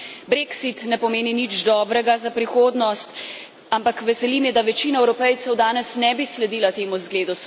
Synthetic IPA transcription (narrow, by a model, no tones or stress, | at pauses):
bɾeksit̪nɛpɔmeːninid͡ʒd̪ɔːbɾɛɡazapɾixoːd̪nɔst̪ | ampakʋɛsɛlimjɛd̪aʋɛt͡ʃiːnaɛwɾɔpɛjt̪sɛwd̪aːnɛsnɛbislɛd̪iːlat̪eːmuzɡleːd̪u